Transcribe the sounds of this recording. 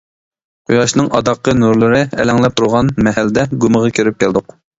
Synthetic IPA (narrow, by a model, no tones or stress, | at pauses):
qʰujɑʃnɨŋʔɑ̰d̪ɑqːənuɾlˠɨɾɨɛ̰lɛŋlɛp̚t̪ʰʊɾʁɑnmɛɦæld̪ɛɡuməʁɑkʲʰøɾɪp̚kʲʰɛld̪ʊq